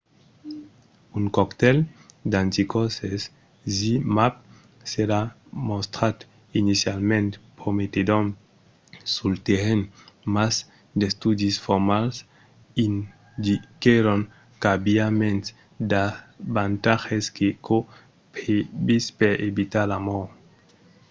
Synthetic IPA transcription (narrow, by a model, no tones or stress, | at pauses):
uŋkɔkt̪ɛld̪ant̪ikɔses | zimap̚ | seɾa | most̪ɾat̪ | inisjalmẽnt̪pomet̪ed̪on | sult̪eɾenmaz | d̪est̪ud̪isfoɾmals | in | d̪ikeɾoŋ | kabjamẽn | d̪abant̪axeskeko | pebispeɾebit̪aɾamoɾ